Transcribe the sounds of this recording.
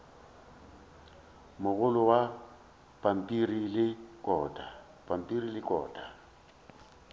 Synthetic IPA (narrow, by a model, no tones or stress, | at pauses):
mʊɣʊlʊwa | pʼam̩pʼirilɪkʼɔːdʼa | pʼam̩pʼirilɪkʼɔ̰ːdʼa